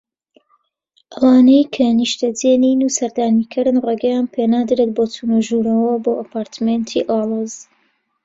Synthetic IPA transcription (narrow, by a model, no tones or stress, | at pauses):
ʔɐwaːnɐjkʰɐniʃt̪ɐd͡zeniːnusɐɾd̪aːniːkʰɨɾɨnreːɡɐjaːnpʰenaːd̪ɨɾet̪̚boːt̪ʰunuʒuːɾɐwɐboːʔɐpʰaːɾt̪ʰment̪ʰiʔɑːlˠoːz